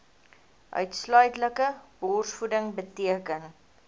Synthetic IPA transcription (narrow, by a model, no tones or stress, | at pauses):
ʔœ̰ɥtslœɥtləkəbɔːrsfudəŋbətiəkən